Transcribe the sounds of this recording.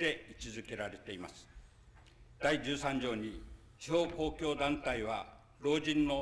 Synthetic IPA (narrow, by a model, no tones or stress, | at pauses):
d̪e̞it͡ɕizɨke̞ɾaɾe̞t̪e̞imasɨ̥ | d̪̥aid͡ʑɨːsãɲ̟d͡ʑo̞ːɲ̟i | t͡ɕiho̞ːko̞ːkʲo̞ːd̪ãnt̪aiβa | ɾo̞ːd͡ʑĩnːo̞